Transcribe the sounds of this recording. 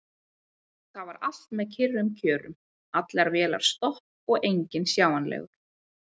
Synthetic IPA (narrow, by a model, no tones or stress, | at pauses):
θaðvaɾal̥t̪mɛðcʰɪrːʏmcʰœːɾʏ̰m | at̪lɛaɾvɛːla̰ɾ̥st̪ɔh | ɔɣejɲcɪnsjaːwanlɛ̰ːɣʏɾ̥